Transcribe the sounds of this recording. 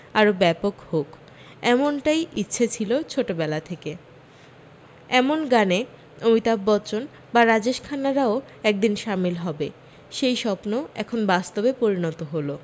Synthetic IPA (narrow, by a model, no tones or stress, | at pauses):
aɾobɛpokhok | ɛmonʈajitːɕʰet͡ɕʰilot͡ɕʰoʈobɛlat̪ʰeke | ɛmonɡane | omit̪abːɔt͡ɕon | baɾad͡ʑeʃkʰanaɾao | ɛk̚d̪inʃamilɦɔbe | ʃejʃɔpnoɛkʰonbast̪obepoɾinɔt̪oɦolo